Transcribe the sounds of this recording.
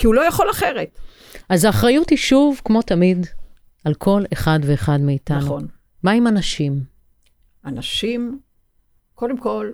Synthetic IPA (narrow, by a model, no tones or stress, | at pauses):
kiulojaχolaχeʁet | azaːχʁajuthiʃuvkmo̞tamid | alkʰo̞leχadveːχadmeːtannun | maimanaʃim | ʔanaʃim | kodemko̞l